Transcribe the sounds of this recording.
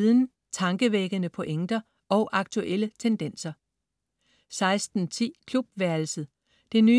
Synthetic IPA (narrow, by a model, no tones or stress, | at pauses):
ðˠn̩ | t͡sʰɑ̈ŋɡ̥əʋeɡ̥ənəpʰɒ̽ʔeŋ̰d̥ɐ | ʔɒ̽ʊʔɑ̈ɡ̥t͡sʰuʔel̰ət͡sʰend̥en̰sɐ | sɑ̈ɪsd̥n̩t͡sʰḭːkʰlub̥ʋæɐl̩sð̩ˠ | d̥e̝nyː